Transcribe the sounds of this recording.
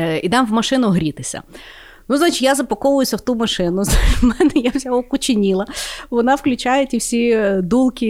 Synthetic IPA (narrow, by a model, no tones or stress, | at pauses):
id̪ɑmʋmɐʃɪnʊɦɾʲit̪ɪsʲɐ̰ | nuznɑt͡ʃɪjazɐpɐkɔʋʊjʊsʲɐwt̪umɐʃɪnʊzmɛnɛjawzʲaɦɔkʊt͡ʃɪnʲilˠɐʋɔnɑwklʲʊt͡ʃajɛtʲiwsʲid̪ulˠkʲi